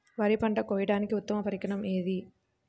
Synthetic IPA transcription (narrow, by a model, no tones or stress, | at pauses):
ʋaːɾipɐɳɖɐkoːjɐɽaːnikiut̪ːɐmɐpɐɾikɐɳɐmeːd̪i